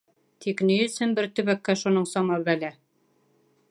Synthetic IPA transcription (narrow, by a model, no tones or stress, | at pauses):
t̪ʰiknɵ̆jɵ̆sɘnbɘɾt̪ɵ̆βækːæʃunɤɴsɑmɑβælæ